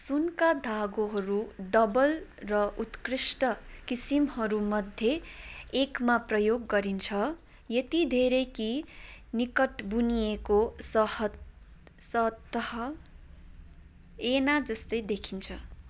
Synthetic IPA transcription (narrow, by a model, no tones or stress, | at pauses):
sunkad̪ʱaɡoɦʌɾuɖʌbʌlrʌʔut̪krisʈʌkisimhʌɾumʌd̪ʱjeekmaprʌjoɡːʌɾint͡sʰʌ | jet̪id̪ʱeɾekinikʌʈbunijekosʌhʌ | sʌt̪ːʌhʌ | enad͡zʌst̪ʌjd̪ekʰint͡sʰʌ